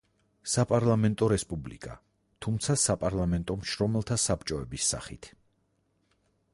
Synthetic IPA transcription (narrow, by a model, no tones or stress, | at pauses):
sapʼaɾlˠamɛnt̪ʼɔɾɛspʼublḭkʼa̰ | t̪ʰumt̪sʰasapʼaɾlˠamɛnt̪ʼɔmʃɾɔmɛlˠt̪ʰasapt͡ʃʼɔɛbisːa̰χit̪ʰ